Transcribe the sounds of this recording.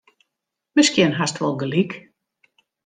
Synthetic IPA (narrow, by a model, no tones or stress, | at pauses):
mɛskjɛnɦastʋɔlˠɡəlik